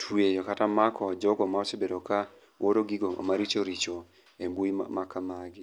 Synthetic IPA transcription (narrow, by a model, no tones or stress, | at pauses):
tʰwejɔkatamakʰɔd͡ʒɔɡɔmaɔt͡ʃebedoka | wʔoɾoɡiɡoo̰maɾit͡ʃoɾit͡ʃo | embuḭmakamaɡɪ